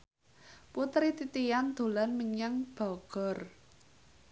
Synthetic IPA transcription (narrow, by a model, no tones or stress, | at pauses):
put̪ɾit̪it̪ijand̪̥o̤lanməɲaŋb̥ɔ̤ɡ̥ɔ̤r